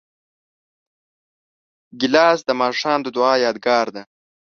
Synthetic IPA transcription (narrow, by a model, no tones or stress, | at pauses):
ɡɪlɑːsd̪əmɑːʂɑːmd̪əd̪ʊɑːjɑːd̪̚ɡɑːɾd̪a